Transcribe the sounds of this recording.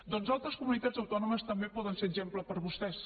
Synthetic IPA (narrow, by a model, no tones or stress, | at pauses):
d̪ɔnzalˠt̪ɾəskumunit̪ad͡zəwt̪ɔnuməst̪əmbepɔðənseʒempləpəɾβust̪ɛs